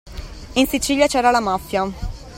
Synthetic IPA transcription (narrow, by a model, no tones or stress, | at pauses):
insit͡ʃiʎjat͡ʃɛːɾalamafːja